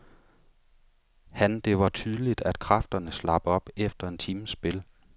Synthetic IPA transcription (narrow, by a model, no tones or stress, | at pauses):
hænd̥e̝ʋɑ̈t͡sʰyð̞ˠlid̥æd̥kʰʁɑfd̥ɐnəslɑ̈b̥əɒ̽b̥efd̥ɐe̝nt͡sʰiːməsb̥e̝l